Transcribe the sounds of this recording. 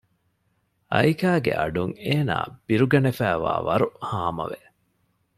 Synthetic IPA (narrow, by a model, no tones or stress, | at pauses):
ɐjkaːɡḛʔɐɖuŋeːna̰ːb̥iɾuɡɐnefæːʋa̰ːʋɐɾuhaːmɐʋe